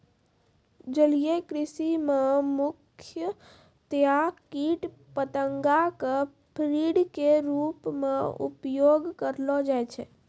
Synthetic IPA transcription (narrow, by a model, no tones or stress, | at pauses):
d͡ʒəlijekɾɪsimemʊkʰjə | t̪jakiːʈ | pət̪əŋɡake | pʰɾiːɖkeɾuːpmẽṵpjoɡkəɾlɔd͡ʒajt͡ʃʰɛ